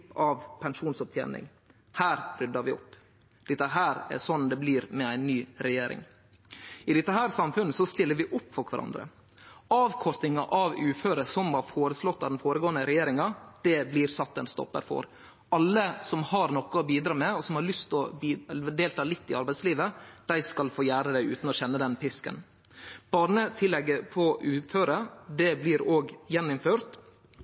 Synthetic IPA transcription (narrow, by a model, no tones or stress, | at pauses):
ɑʋpʰɛnʂuːnsɔp̚t̪ʰjḛːnɪ̰ŋ | hæːɾɾʏd̪əɾʋɪɔpː | d̪̥ɪt̪ːəɦæːɾɛ̰sɔnːd̪ɛbliːɾmɛæɪnːyːɾɛjeːɾɪ̰ŋ | ɪd̪ɪt̪ːəɦæːɾsɑmfʉnːəsɔst̪ɪlːəɾʋɪʔʊpːfɔkʰʋæɾʔɑ̰nd̪ɾə̰ | ɑːʋkʰɔɾt̪nɪŋɑʔɑʋʉːføːɾəsɔmɑɾfoːɾəslɔt̪ːɑʋd̪ɛnfoːɾəɡoːənəɾɛjeːɾɪŋɑd̪̥ɛbliːɾsɑt̪ːɛnst̪ɔ̰pːə̰ɾfɔ̰ɾ | ʔɑlːəsɔmhɑɾnɔkːəɔbiːd̪ɾɑːmɛɔsɔmhɑɾɭʏst̪ɔbd̪eːlt̪ʰɑːlɪt̪ːɪɑɾbæɪsliːʋəd̪̥æɪskɑlfoːjæːɾəd̪æɪʉ̰ːt̪n̩ɔɕɛnːəd̪ɛnpɪskə̰n | b̥ɑːɾɳət̪ʰɪlːɛɡːəpʰɔʔʉːføːɾəd̪ɛbliɾoːɡjɛnːʊmføːɾt̪